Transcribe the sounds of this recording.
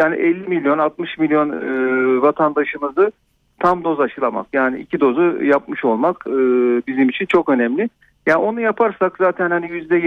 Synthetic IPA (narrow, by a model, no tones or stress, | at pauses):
jaːnḭʔɛlʲːimilʲjo̞nalˠt̪mɯʃmilʲjo̞nɯvat̪ʰand̪aʃɯmɯzɯ | t̪ʰamd̪o̞zaʃɯlˠama̰kjaːniḭcʰid̪o̞zujapmɯʃo̞lˠmakɯːbizimit͡ʃʰint͡ʃʰo̞kø̞nɛmlʲɪ | jaːno̞nujapʰaɾsakz̥aːt̪ʰɛnhanijyzd̪ɛj